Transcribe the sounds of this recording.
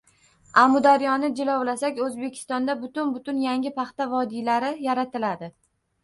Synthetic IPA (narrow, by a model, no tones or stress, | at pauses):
amʊd̪aɾjɒnɪd͡ʒɪlɒwlasakʲɵzbe̞kʲʰɪ̥st̪ɒnd̪abʊt̪ʊnbʊt̪ʊnjaŋʲɪpɑχt̪avɒd̪ilaɾɪjaɾat̪ɪlad̪ɪ